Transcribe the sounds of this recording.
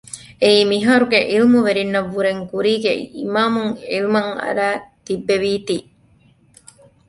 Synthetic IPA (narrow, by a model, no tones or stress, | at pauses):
eiːmiɦaːɾuɡeʔilmuʋeɾinːɐʋːuɾeŋkuɾiːɡḛḭmaːmuŋilmɐŋɐ̰ɾæːt̪ibːeʋiːt̪iː